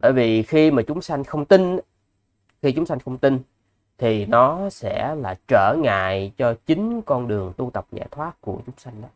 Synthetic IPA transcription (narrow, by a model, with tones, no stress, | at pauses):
ɓə̰ː˧˩jvi˨˩xi˧maː˨˩t͡ɕʊ˨˦ŋ͡msa˧jŋ̟xə˧wŋ͡mt̪i˧n | xi˧t͡ɕʊ˨˦ŋ͡msa˧jŋ̟xə˧wŋ͡mt̪i˧n | t̪ʰi˨˩nɔ˨˦sɛ̰˧˥laː˨˩t͡ɕəː˧˩ŋa̰ː˧˨jt͡ɕɔ˧t͡ɕï˨˦ŋ̟kɔ˧nɗɨ˨˩əŋt̪u˧t̪ə˨˩p̚ɲa̰˧˩t̪ʰwaː˦˥t̚ku˧˩ət͡ɕʊ˨˦ŋ͡msa˧jŋ̟ɗɔ˨˦